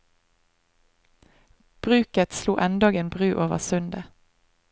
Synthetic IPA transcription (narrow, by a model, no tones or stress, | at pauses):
b̥ʁʉːkət̪slṵːʔɛnd̪oːɡeːnbʁʉːʔoːʋə̰ʁsʉnd̪ə